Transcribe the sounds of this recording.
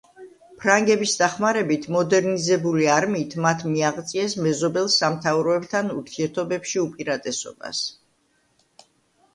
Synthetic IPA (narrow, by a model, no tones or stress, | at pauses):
pʰɾaŋɡɛbisd̪aχmaɾɛbit̪ʰmɔd̪ɛɾnizɛbuliaɾmiːt̪ʰmat̪ʰmiaʁt̪sʼiɛsmɛzɔbɛlˠsamt̪ʰavɾɔɛb̚t̪ʰanuɾt̪ʰiɛɾt̪ʰɔbɛpʃiupʼiɾat̪ʼɛsɔ̰ba̰s